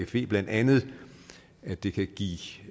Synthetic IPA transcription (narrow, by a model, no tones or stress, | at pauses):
efe̝̰ːb̥læn̰d̥ænð̞̩ˠ | æd̥e̝kʰæɡ̥ḭː